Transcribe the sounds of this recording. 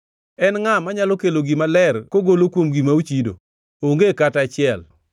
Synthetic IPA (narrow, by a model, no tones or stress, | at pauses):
ɛnŋamaɲalokeloɡimalɛrkoɡolokwomɡimaut͡ʃido̰ | oŋɡekatat͡ʃɪɛl